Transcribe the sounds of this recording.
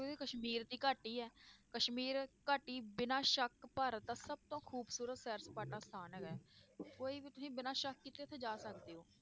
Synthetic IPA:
ekəʃmiːɾd̪iːkaːʈiːɛːkəʃmiːɾkaːʈːiːbɪnãːʃəkpəːɾət̪ːaːsəb̚t̪õːkʰuːbsuːɾət̪sɛːɾspaːʈãːst̪ʰaːnəkɛːkoːiːbiːt̪ʊsĩːbɪnãːʃəkːit̪eːt̪ʰeːd͡ʒaːsəkd̪eːoː

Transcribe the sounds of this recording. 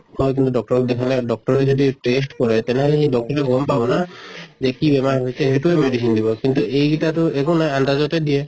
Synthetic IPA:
hɔjk̬int̪uɖɔk̚ʈɔɾd̪ekʰaleɖɔk̚ʈɔɾɾed͡ʒɔd̪iʈes̬ʈkɔɾet̪eneɦɔleɦĩɖɔk̚ʈɔɾeɡompabɔnad͡ʒekibemaɾɦojt͡ʃʰeɦeʈuemeɖisind̪ibɔkint̪uʔejɡitat̪uekunajand̪ad͡ʒɔt̪ed̪ie

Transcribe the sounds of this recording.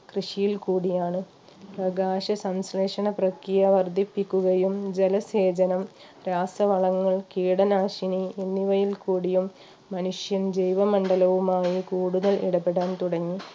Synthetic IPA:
krɨʂijilkuːɽijaːɳɨ | prɐɡaːʂɐsɐmsleːʂɐɳɐprɐkɾijɐʋɐrd̪ʱipːikʲːuɣɐjumd͡ʑelɐseːd͡ʑɐnɐm | ɾaːsɐʋɐɭɐŋːɐɭkiːɽɐnaːʂiɳienːiʋɐjilkuːɽijumː | ɐnuʂjɐmd͡ʑejʋɐmɐɳɖɐlɐʋumaːjikuːɽuðɐlḭɽɐpːeɽaːnt̪uɽɐŋːi

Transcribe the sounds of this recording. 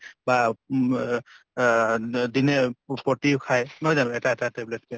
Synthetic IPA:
ba | d̪inepɔʈikʰajnɔjd͡ʒanɔ̃etatatebletke

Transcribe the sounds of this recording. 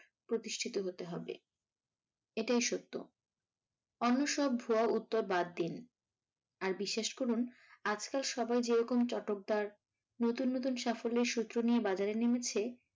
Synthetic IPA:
pɾot̪iʃʈʰit̪oɦot̪eɦɔbḛ | eʈajʃot̪ːo̰ | ɔnːoʃɔb̚bʱoaut̪ːoɾbad̪ːin | aɾbiʃːeʃkoɾunad͡ʑkalʃɔbajd͡ʑeɾɔkomt͡ɕɔʈok̚d̪aɾ | not̪unːot̪̬unʃafolːeɾʃut̪ːɾoniebad͡ʑaɾenimet͡ɕʰe

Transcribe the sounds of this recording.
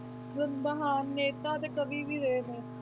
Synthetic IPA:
ɡənbəɦaːnːeːt̪aːt̪eːkəbiːʋiːɾeet̪eː

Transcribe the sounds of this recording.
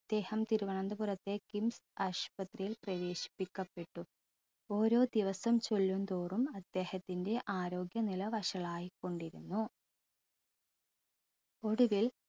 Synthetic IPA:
ɐd̪̥ːe̞ːhɐmt̪iɾuʋɐɳɐnd̪ɐpurɐt̪ːe̞kimsaːʂpɐt̪rijilprɐʋe̞ːɕi̥pːikʲːɐpːe̞ʈːu | o̞ːɾo̞ːd̪iʋɐsɐmt͡ɕo̞lːund̪oːrumɐd̪ːe̞ːhɐt̪ːinde̞ʔaːɾo̞ːɡjɐnilɐʋɐʂɐɭaːjikːo̞ɳɖiɾunːu | o̞ɽuʋil

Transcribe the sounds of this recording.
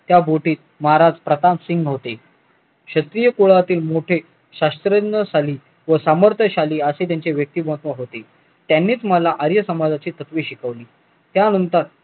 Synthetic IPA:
t̪jabʱoʈiːt̪̚ | məɦaɾad͡zpɾət̪amsiŋɡɦot̪e | ɕət̪ɾijəkuɭat̪iːlmoʈʰe | ɕast̪ɾənəsaliː | ʋəsaməɾt̪ʰəɕaliːəset̪jaɲt͡ɕeʋjək̚t̪iːbot̪ʋəɦot̪e | t̪janːiːt͡sməlaʔəɾjəsəmad͡zat͡ɕiːt̪ət̪ʋiːɕikəʋliː | t̪janənt̪əɾ

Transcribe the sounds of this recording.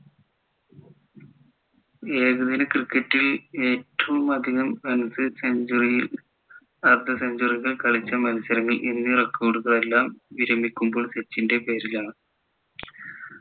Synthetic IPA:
eːɣuðinɨkrikːɐtːile̞ːtːɐʋumɐd̪ʱiɣɐmːɐnɐsɨsed͡ʑri | ɐrd̪ʱɐseɲd͡ʑuriɣɐɭkɐɭit͡ɕːɐmɐnɐsɐɾɐŋːɐlʔinːɨrɐkːɐoɽuɣɐɭe̞lːaːmʋiɾɐmikʲːumbo̞ːɭset͡ɕːinde̞pe̞ːɾilaːɳɨ

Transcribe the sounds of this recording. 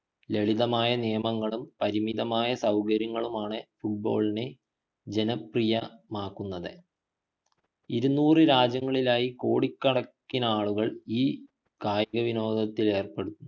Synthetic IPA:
le̞ɭiðɐmaːjɐnijɐmɐŋːɐɭumpɐɾimiðɐmaːjɐsɐwkɐɾjɐŋːɐɭumaːɳɨfuʈ̚bo̞̰ːɭine | d͡ʑe̞nɐprijɐmaːkːunːɐðɨ | iɾunːuːrɨɾaːd͡ʑjɐŋːɐɭilaːjiko̞ːɽikʲːɐɽɐkːinɐaːɭuɣɐɭiː | kaːjɐɣɐʋino̞ːd̪ʱɐt̪ːile̞ːrpe̞ɽut̪ːunː

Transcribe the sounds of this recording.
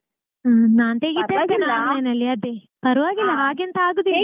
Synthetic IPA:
naːnt̪eːɡit̪ːeenanenɐlːiɐd̪e | pɐɾuʋaːɡilːɐɦaːɡent̪ɐaːɡud̪i

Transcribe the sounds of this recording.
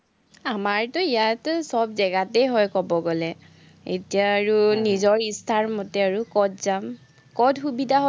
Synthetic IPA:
amaɹtɔijatsɔbzɛɡatɛjɦɔjkɔbɔɡɔlɛ | ḛtijaːɹunizɔɹistʰaɹmɔtɛaɹukɔdzam | kɔdxubidʱaɦ

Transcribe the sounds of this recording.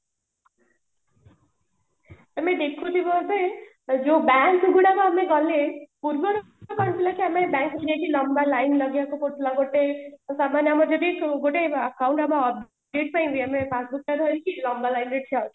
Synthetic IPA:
amed̪ekʰut̪ʰibɔbe | d͡ʒobaŋkɡuɽakoameɡʌlepuɾbɔɾ | ɔɡɔnt̪ʰilakiamebaŋkɾʌɡakilɔmbalajnlʌɡjakukoʈlãɡoʈesamanjamɔd͡ʒɔd̪iɡoʈeakawɳʈamɔːp̚ | eʈ̚paĩnd̪iamepasbukad̪ʱɔkilɔmbalajnɾeʈ̚t͡ʃʰatʰ

